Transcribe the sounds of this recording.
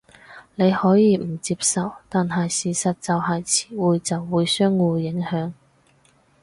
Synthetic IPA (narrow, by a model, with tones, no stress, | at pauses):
ne˨˧jhɔː˨˥jiː˨˧m̩˨˩t͡siː˧p̚sɐ˨wt̪aː˨nɦɐ˨jsiː˨˩sɐ˨t̚t͡sɐ˨wɦɐ˨jt͡sʰi̥ː˨˩wuː˨˧jt͡sɐ˨wːuː˨˧jsœː˥ŋwuː˨˧jɪ˨˥ŋhœː˨˥ŋ